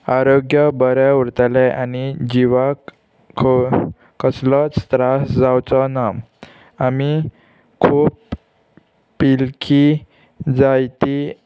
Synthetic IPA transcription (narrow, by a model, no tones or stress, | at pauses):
aɾoɡjəbəɾjauɾt̪alɛʔanid͡ʑiʋak | kʰ | kəslɔt͡sst̪ɾasd͡zawt͡sɔnam | ami | kʰuːp | ilkʰi | d͡zajt̪i